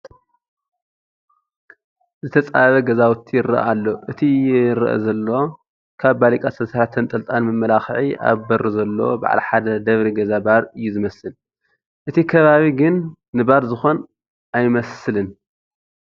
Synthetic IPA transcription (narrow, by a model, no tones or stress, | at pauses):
zɨt̪ʰɐt͡sʼaβɐɡɐzawʊt̪ʰːijɪɾɐ̰ʔalːoʔɨt̪ʰijɪɾ̰ʔɐ̰zɐlːo̞ | kʰaβbalikʼasɐsɐɾat̪ʰɨnt̪ʼɐlt̪ʼanmɨmːɐlaxʕia̰βbɐɾuzɐlːo̞̰ba̰ʕlɐħad̪ɐd̪ɐβɾiɡɐzabaɾɨjːuzɨmɐsɨn | ʔɨt̪ʰikʰɐβaβiɡɨnː | ɨbaɾzɨxo̞n | ʔajmɐsɨlɨn